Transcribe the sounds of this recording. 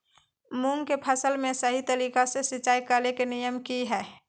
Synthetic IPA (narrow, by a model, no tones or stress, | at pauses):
mʊŋɡkepʰəsəlmẽsəɦit̪əɾiːkasesɪt͡ʃaːikəlekenijəmkiɦɛː